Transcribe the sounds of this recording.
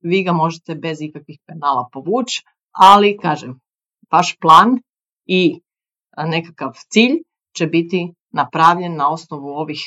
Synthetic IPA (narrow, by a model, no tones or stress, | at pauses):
ʋiːɡamo̞ʒet̪e̞be̞zikakʋixpenaːlˠapo̞ʋuːt͡ʃ | alikaːʒem | ʋaʃplˠaːn | i | ne̞kakaʋt̪siːʎ | t͡ʃebit̪i | napɾaʋʎe̞nːao̞snoʋuo̞ʋix